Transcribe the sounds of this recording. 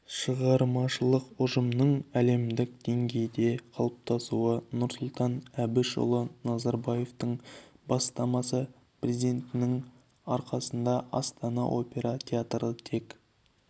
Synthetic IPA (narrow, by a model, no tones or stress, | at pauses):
ʃəʁɑɾmɑʃəlˠəqʊʒəmnəɴæle̞md̪ɪkd̪̥e̞ŋɡʲe̞jd̪e̞qʰɑlˠəp̚t̪ʰɑsuənʊɾsʊlˠt̪ɑnæbɪʃo̰lˠənɑzɑɾbaje̞ft̪əɴbɑst̪ɑmɑsə | prʲezid̪e̞nt̪ɪnɪŋ | ɑɾqɑsənd̪ɑʔɑ̰st̪ɑnɑ̰ʔo̞pʲe̞ɾɑt̪ʲʰeat̪rət̪ʰe̞k